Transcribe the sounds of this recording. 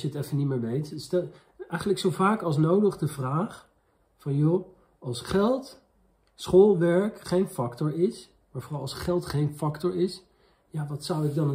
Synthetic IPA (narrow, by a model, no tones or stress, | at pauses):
jəətɛfəniməːɹʋejtstɛ | ɛjχənləksowvaːkɑlˠs̬nowdəχdəvraːχ | fɑnjo | ɑlˠsχɛlˠt | sχoːlˠʋɛɹkχejnfɑktɔɹɪs | maːɹvorɑlˠɑsχɛlˠtχejnfɑktɔɹɪs | jaːʋɑtsʌwɪɡ̚dɑnə